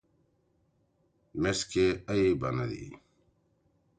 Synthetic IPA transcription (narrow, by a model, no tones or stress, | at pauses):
meskeɐibɐnɐd̪ḭ